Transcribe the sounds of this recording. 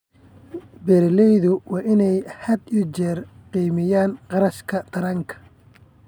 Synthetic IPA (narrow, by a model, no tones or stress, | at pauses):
bɛɾlɛjðʊwɑːʔɪnɛjhɐd̪ʊt͡ʃɛrqiːmɪjaːnqɑɾɐʃkʰɐd̪̥ɐɾɐŋkʰɐ̥